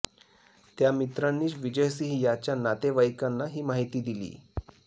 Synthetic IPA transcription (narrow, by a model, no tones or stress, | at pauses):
t̪jamit̪ɾanːiːɕʋid͡ʑəjs̬iɦijat͡ɕjanat̪eʋajkanːaɦiːmaɦit̪iːd̪ilḭː